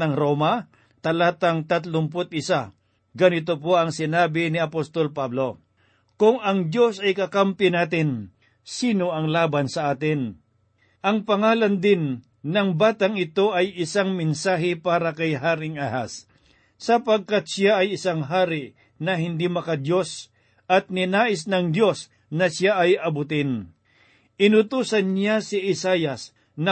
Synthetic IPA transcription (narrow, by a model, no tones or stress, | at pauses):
nɐŋɾomɐ | t̪ɐlaːt̪ɐŋt̪ɐt̪̬lʊmp̬ʊt̪̚ʔɪsa | ɡɐnɪt̪̬op̬oʔɐŋsɪnaːbɪnɪɐpost̪olpablo̞ | kʊŋɐŋd̪jo̞sɐjkɐkampjɪnaːt̪ɪn | siːno̞ɐŋlaːbɐnsɐʔaːt̪ɪn | ʔɐŋpɐŋaːlɐnd̪ɪnː | ɐŋbaːt̪aŋɪt̪o̞ʔɐjɪsaŋmɪnsaːɦɪpaːɾɐkɐjɦaːɾɪŋahasː | ɐpɐɡ̚kat̪sjaɐjɪsaŋɦaːɾɪʔ | nɐɦɪnd̪imɐkɐd̪jo̞s | ɐt̪̚nɪnaːʔɪs̬nɐŋd̪jo̞s | nɐsjaʔɐjɐbʊt̪ɪn | ʔɪnʊt̪uːsɐnːjasɪʔɪsaːjɐs | nɐ